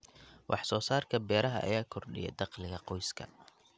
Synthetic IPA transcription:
wʔɑħsɔːsaːrkʰɐbɛːɾɐɦɐ̰ʔɐ̰jaːkʰɔrɖɪ̰jɛ̰d̪ɑqlɪɣɐqɔjskʰɐ̰

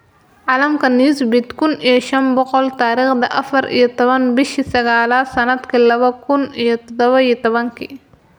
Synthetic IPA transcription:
ʕɑlɐmkʰɐniːsbɪd̪kʰʊnijɔʃɐnbɔqɔlt̪aːɾiːχd̪ɐʔɐfɐɾʔḭjɔt̪ɔβɐnbɪʃisɐɣaːlaːsɐnɐd̪kʰɐlɐβɐkʰʊnijɔt̪ɔd̪ɔβɐijt̪ɔβɐŋkʰḭ

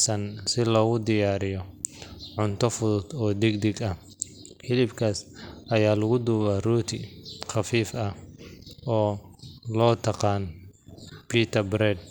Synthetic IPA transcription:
sɐnsɪlɔːɣʊd̪ɪjaːɾɪjɔʕʊnt̪ʰɔfʊðʊd̪ɔːd̪ɪɡd̪ɪɡɐ | ħɪlɪbkʰaːsɐjaːlʊɣʊd̪uːβaruːt̪ʰɪχɑfiːfɐ | ɔːlɔːt̪ʰɐqɑːn | pʰiːt̪ʰɐbɾɛd̪

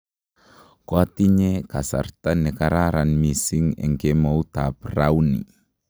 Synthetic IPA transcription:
koat̪iɲekasa̰rt̪anəkaɾaɾanmisɪŋḭŋkemaut̪apraunḭ

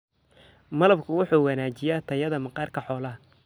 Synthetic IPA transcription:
mɐlɐbkʰʊwʊħuːwɑnaːt͡ʃɪjaːt̪ʰɐjɐðɐmɐqɑːrkʰɐħɔːlɐ

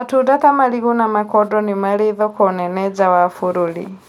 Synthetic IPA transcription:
atudat̪amaliɣunamakɔdɔnimaliðɔkɔnɛnɛd͡ʒawafuɾulḭ

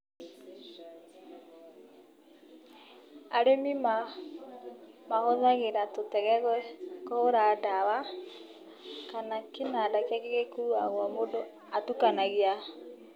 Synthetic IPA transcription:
aɾemima | mahoðaɣeɾatotɛɣɛɣwɛkɔoɾaːdawa | kanakenadakakeɣekuaɣwɔmodo | atukanaɣea

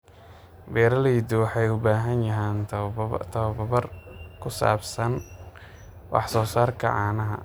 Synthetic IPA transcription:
bɛːɾɐlɛjd̪ɔwħɑjʊbaːɦɐnjɐɦɛːnt̪ʰɐβɐbɐβɐrkʰʊsa̰ːbsɐn | wɑ̰ħsɔːsaːrkʰɐ̰ʕɑːnɐɦɐ̰

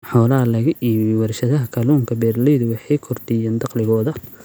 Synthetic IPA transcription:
ħɔːlɐɦɐlɐɣɐʔiwɐrʃɐðɐɦɐkʰɐluːŋkʰɐbɛːrlɛjðʊwɑħɑjkʰɔrt̪ʰɪjaːnd̪ɑqlɪɣɔːðɐ

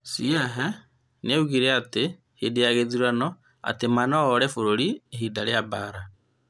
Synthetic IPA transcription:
siɛɦɛ | neuɣiɾɛate | hedejaɣeðiɾanɔ | a̰temanɔːɾɛfoɾoɾieɦidaɾeabaːɾa

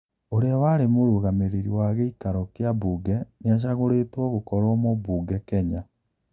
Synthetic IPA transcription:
oɾeawaɾemoɾuɣameɾeɾiwaɣeikaɾɔkjabuːɡɛneaʃ̬aɣoɾetwɔɣokɔɾɔmɔbuːɡɛkɛɲa

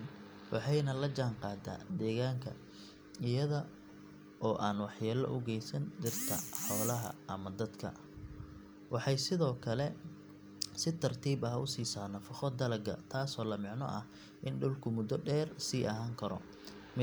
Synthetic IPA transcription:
n | wʔɑ̰ħɑjnɐlɐd͡ʒaːŋqɑːd̪a̰ːd̪ɛːɣaːŋkʰɐ̰ | ɪjɐðɐ | ʔɔːʔaːnwɑħjaːlɐ̰ʔʊɡɛjsɐnd̪ɪrt̪ʰɐ̰ħɔːlɐɦɐ̰ʔɐmɐd̪ɐd̪kʰɐ̰ | wɑħɑjsɪðɔːkʰɐlɛ | sɪt̪ʰɐrt̪ʰiːbɐhʊ̰siːsaːnɐfɪχɔd̪ɐlɐɡɐ̰t̪ʰaːsɔːlɐmɪʕnɔ̰ʔɐh | ʔɪnɖʊlkʰʊmʊd̪ɔɖɛːrsiːʔɐɦaːŋkʰɐɾɔ̰ | m

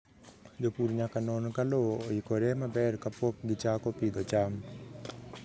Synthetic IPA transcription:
d͡ʒopuɾɲakanoːnkaloojikoɾemabɛːɾkɐpok̚ɡit͡ʃaːkopid̪ot͡ʃaːm

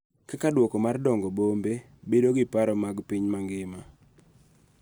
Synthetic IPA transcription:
kakadwokomardɔŋɡɔbombe | bedoɡɪpaɾɔmaɡpiɲmaŋɡɪma

